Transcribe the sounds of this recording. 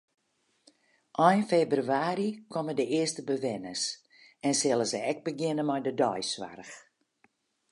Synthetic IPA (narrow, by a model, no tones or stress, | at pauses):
ʔɔjnfebryaːɾikʰɔmədəɪəstəbəʋɛnəs | ɛnsɪlˠəzəɛk̚bəɡɪnəmɔjdədɔjswa̰rəx